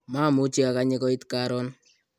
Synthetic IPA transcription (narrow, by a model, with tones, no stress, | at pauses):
maː˦mʊ˦t͡ʃi˦a˨kaɲɪ˦kɔ˦ɪ˦tkaɾɔ˦n